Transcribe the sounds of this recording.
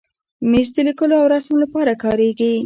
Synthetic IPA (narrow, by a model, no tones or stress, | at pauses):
mez̬d̪əlikəloawɾɑsmlapɑɾakɑɾeɡi